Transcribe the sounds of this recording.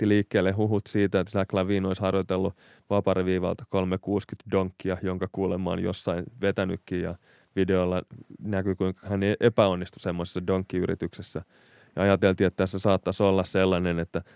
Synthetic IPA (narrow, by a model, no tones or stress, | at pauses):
iliːkːeːlːehuɦut̪siːt̪æet̪ːsæklɑʋiːnoishɑrjot̪elːu | ʋɑpɑrʋiːʋɑ̰lt̪ɑ̥kolmekuːskyt̪doŋkːiɑjoŋkɑkuːlemːɑo̰njo̰sːɑinʋet̪æny̰kːiːjjɑ̰ | ʋideolːɑnækykuiŋkɑ̥hæneʔepæonːist̪u̥semːose̥sːɑdoŋkːiyɾḭt̪yksesːæ | jɑɑjɑt̪elt̪iet̪ːæsesɑːt̪ːɑsolːɑsselːɑnenet̪ːæ